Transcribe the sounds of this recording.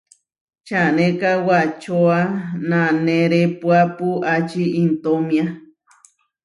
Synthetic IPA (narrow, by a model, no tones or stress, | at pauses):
t͡ʃanẽkawat͡ʃoanãneɾepuapuat͡ʃiint̪omĩa